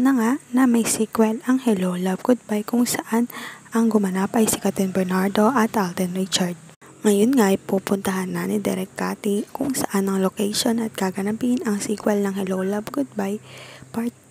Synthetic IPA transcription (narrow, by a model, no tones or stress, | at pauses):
nɐŋanɐmɐjsikwɛlɐŋhɛlowlɐbɡʊd̪̚bajkʊŋsɐʔanʔɐŋɡʊmɐnaːpɐjsɪkɐt̪ɛnbɛɹnaɹd̪o̞ʔɐt̪ʔald̪ɛnɹit͡ʃaɹd̪̚ | ŋɐjonŋajpuːpʊnt̪ɐɦanːɐnɪd̪ɛ̰ɾɛk̚kaːt̪ikʊŋsɐʔanɐŋlokɛjʃonɐt̪̚kaɡɐnɐbɪnɐŋsikwɛlnɐŋhɛlowlɐbɡʊd̪̚bajpat̪̚